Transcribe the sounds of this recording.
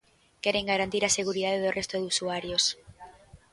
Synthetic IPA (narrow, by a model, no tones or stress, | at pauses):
kɛɾeŋɡaɾant̪iɾaseɣuɾiðaðeðorʔest̪oðusuaɾjos